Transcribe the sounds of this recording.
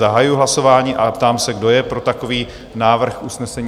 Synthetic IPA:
aɦajujʊɦlaso̞vaːɲiːʔapt̪aːmsɛɡdo̞jɛpɾo̞t̪ako̞viː | naːvr̩xʔusnɛsɛɲː

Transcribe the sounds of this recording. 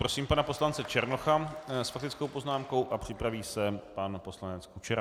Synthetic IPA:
pɾo̞siːmpanapo̞slant͡sɛt͡ʃɛɾnoxasfakt̪ɪt͡skowpo̞znaːmko̞wʔapr̝̥ɪpɾaviːsɛpanpo̞slanɛt͡skut͡ʃɛɾa

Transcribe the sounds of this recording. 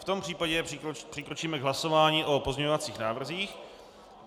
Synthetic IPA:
ft̪o̞mpr̥iːpaɟɛpr̥ɪkɾot͡ʃiːmɛɡɦlaso̞vaːɲiːʔo̞pozɲɛɲovat͡siːxnaːvr̩ziːx

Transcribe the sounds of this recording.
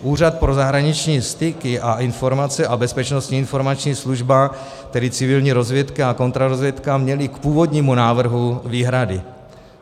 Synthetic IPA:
ʔuːr̝at̪̚pɾo̞zaɦɾaɲɪt͡ʃɲiːst̪ɪkɪʔaʔɪnfo̞ɾmat͡sɛʔabɛspɛt͡ʃnost̪ɲiːɪnfo̞ɾmat͡ʃɲiːsluʒba | t̪ɛdɪt͡sɪvɪlɲiːɾo̞zvjɛt̪kaako̞nt̪ɾaɾozvjɛt̪kamɲɛlɪkpuːvo̞d̪ɲiːmunaːvr̩ɦuviːɦɾadɪ

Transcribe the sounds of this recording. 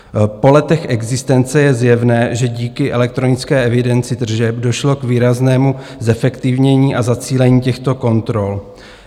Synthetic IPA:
po̞lɛt̪ɛxʔɛɡzɪst̪ɛnt͡sɛjɛzjɛvnɛːʒɛɟiːkɪʔɛlɛk̚t̪ɾo̞nɪt͡skɛːʔɛvɪdɛnt͡sɪd̪r̩ʒɛpdo̞ʃlo̞kviːɾaznɛːmuzɛfɛkt̪ɪvɲɛɲiːʔazat͡siːlɛɲiːcɛxt̪o̞ko̞nt̪ɾo̞l

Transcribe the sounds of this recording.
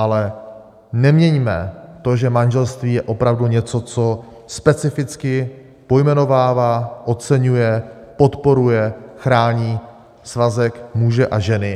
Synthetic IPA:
ʔalɛ | nɛmɲɛɲmɛt̪o̞ʒɛmanʒɛlst̪viːjɛʔo̞pɾavduɲɛt͡so̞t͡so̞ | spɛt͡sɪfɪt͡skɪ | po̞jmɛno̞vaːvaːʔo̞t͡sɛɲujɛpo̞t̪po̞ɾujɛxɾaːɲiː | svazɛkmuʒɛʔaʒɛnɪ

